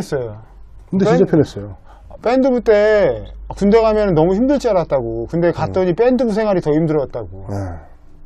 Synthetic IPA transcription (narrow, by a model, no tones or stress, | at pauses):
es͈ʌjo | kɯndeit͡ɕapʰjʌnes͈ʌjo | p͈e̞ndɯbut͈e̞akunde̞ɣamjʌnɯnːʌmuçimdɯɭt͡ɕ͈iaɾat̚t͈aɡokɯnde̞kat̚t͈ʌɲip̬͈e̞ndɯbusʰe̞ŋɦwaɾitʌimdɯɾʌt̚t͈aɡone